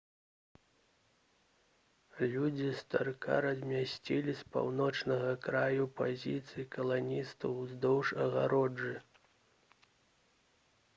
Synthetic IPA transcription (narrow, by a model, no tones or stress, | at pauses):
lʲud͡zʲist̪a̰rka̰ɾɐzʲmʲasʲt͡sʲilʲispa̰wnɔt͡ʂnɐɣɐkɾajupazʲit̪sɨjikɐlˠanʲist̪ɐwzd̪ɔwʂɐɣa̰ɾɔd͡ʐɨ